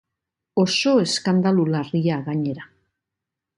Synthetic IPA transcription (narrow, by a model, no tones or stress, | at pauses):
o̞so̞e̞skand̪alulariaɣaɲe̞ɾa